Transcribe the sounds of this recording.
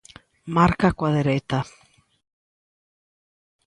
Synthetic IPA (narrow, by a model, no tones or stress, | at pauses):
maɾkakwaðeɾet̪a